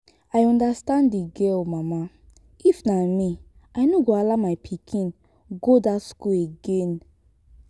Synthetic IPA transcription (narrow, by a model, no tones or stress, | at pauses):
ajɔ̃ndastãndiɡɛlmama | ifnami | ajnoɡoalamajpʰikʰĩn | ɡodatskuleɡẽn